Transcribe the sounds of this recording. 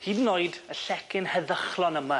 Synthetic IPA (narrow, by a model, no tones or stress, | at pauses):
hiːdnːoɨdəɬɛkʰɪnhəðəχlˠɔnəma